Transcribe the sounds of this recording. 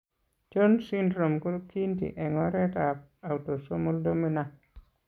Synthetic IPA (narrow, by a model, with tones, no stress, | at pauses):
t͡ʃo˦nsi˦ndɾo˨mko˦ki˦ntḭ˨ʔɛ˨ŋɔ˦ɾɛ˦ta˨pa˨wto˨so˦mu˦ldo˦mi˦na˨